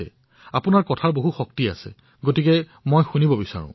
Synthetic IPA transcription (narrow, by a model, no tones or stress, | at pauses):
ɛ̰ | apunaɹkɔtʰaɹboɦuxɔk̚tia̰sɛ̰ | ɡotikɛ | mojxunibɔbisa̰ɹṵ̃